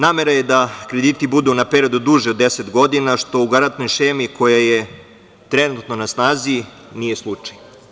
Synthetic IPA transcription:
naːme̞ɾaje̞d̪akɾe̞d̪iːt̪ibud̪unapeɾiod̪ud̪uʒeod̪ːe̞se̞t̪ɡo̞d̪inaʃt̪o̞uɡaɾant̪no̞jʃeːmikʰo̞jaje | t̪ɾenut̪no̞nasnaːzi | nije̞slˠut͡ʂḁj

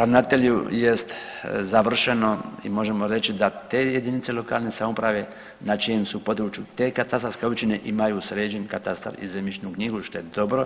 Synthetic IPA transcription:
ɾavnat̪e̞ʎjujest̪zaʋr̩ʃeno̞ḭmo̞ʒe̞mo̞ɾe̞t͡ʃid̪at̪e̞ːje̞d̪init̪se̞lo̞ka̰ːlnesamopɾaʋe̞ | nat͡ʃijemsupo̞d̪ɾut͡ʃjut̪e̞ːkat̪ast̪ɾoskeo̞bt͡ʃine̞ʔimajuːsɾeːd͡ʒenkat̪ast̪a̰ɾḭzemit͡ʃnukɲiɡuʃt̪o̞jed̪o̞bɾo̞

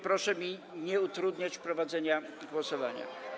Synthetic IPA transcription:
pɾɔʂɛmʲiɲɛut̪ɾud̪ɲat͡ɕpɾɔvad̪zɛɲaɡwɔsɔvaɲa̰

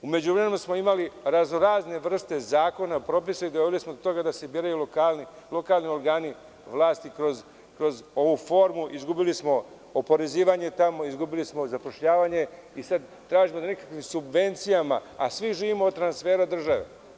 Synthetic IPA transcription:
ume̞d͡ʑuʋɾememesmoimaliɾaznoɾaːzne̞ʋr̩st̪e̞zaːko̞napɾo̞pisaid̪oʋilismod̪ot̪o̞ɡad̪ase̞bjiɾajulokalni | lˠo̞kaːlˠnio̞ɾɡaːni | ʋlˠaːst̪ikɾo̞z | kɾo̞zo̞ʋuːfo̞ːɾmuʔizɡubilismo̞ | opo̞ɾe̞ziːʋaɲe̞t̪amo̞izɡubilismo̞zapo̞ʃʎaːʋaɲe̞isad̪ | t̪ɾaːʒimod̪anekakʋimsubʋe̞nt̪sijama̰asʋiʒiːʋimoːd̪̚t̪ɾansfeːɾad̪r̩ʒaʋḛ

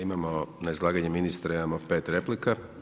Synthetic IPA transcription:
imamonaizlˠaːɡaɲeminist̪ɾaimamopeːt̪ɾe̞plika

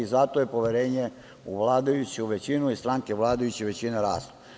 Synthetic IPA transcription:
izat̪ojepo̞ʋe̞ɾeːɲe | uʋlˠaːd̪ajut͡ɕuʋet͡ɕinuist̪ɾaŋkeʋlˠaːd̪ajut͡ɕiʋe̞t͡ɕineɾa̰ːst̪

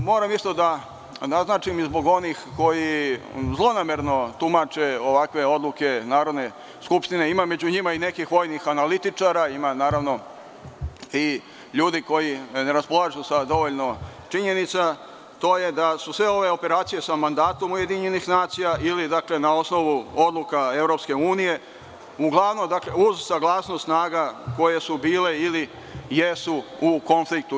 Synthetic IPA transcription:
moːɾamist̪o̞d̪a | naznaːt͡ʃimizbo̞ɡo̞nixko̞jizlˠo̞nameɾno̞t̪umat͡ʃe̞o̞ʋakʋe̞o̞d̪luke̞naːɾo̞d̪ne̞ | skupʃt̪ine̞imame̞d͡ʑuɲimaine̞kixʋo̞ːjnixanalit̪it͡ʂaːɾaimanaːɾaʋno̞ | i | ʎuːd̪iko̞jine̞ɾaspo̞lˠaʒusad̪o̞ʋoʎʲnot͡ʃiɲe̞nit̪sa | t̪o̞ːje̞d̪asusʋe̞o̞ʋe̞o̞pe̞ɾaːt̪sije̞samand̪aːt̪o̞muje̞d̪iɲe̞nixnaːt̪sijaʔilid̪akle̞nao̞sno̞ʋuo̞d̪lukae̞ʋɾo̞pske̞uːnije̞ | uɡlˠaʋno̞md̪akle̞uzsaɡlˠaːsnost̪snaːɡako̞je̞subiːle̞ili | jesuuko̞nflik̚t̪u

